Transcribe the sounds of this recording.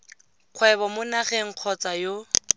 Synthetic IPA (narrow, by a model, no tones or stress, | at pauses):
q͡χʰwɛbɔmʊnaɣɛŋ̩q͡χʰɔt͡sajo